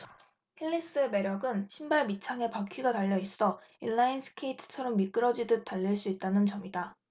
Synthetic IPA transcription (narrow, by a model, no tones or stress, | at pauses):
hiʎːis͈ɯme̞ɾjʌɡɯnɕʰimbaɭmit͡ɕʰaŋe̞pakʰɥiɡataʎːʌis͈ʌinːainsʰɯ̥kʰeitʰɯ̥t͡ɕʰʌɾʌmːik͈ɯɾʌd͡ʑidɯt͈aʎːiɭs͈uit̚t͈anɯnt͡ɕʌmida